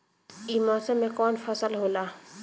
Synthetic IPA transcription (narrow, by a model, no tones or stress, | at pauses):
iːmaːsemẽkɔːnfʰəsəlɦoːlaː